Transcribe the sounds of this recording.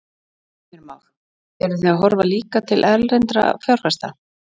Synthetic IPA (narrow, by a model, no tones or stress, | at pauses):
ɛɾmawx | ɛɾʏθiaɦɔɾvaliːkat̪ʰɪlʔɛlrɛnt̪ɾa̰fjawɾ̥fɛst̪a̰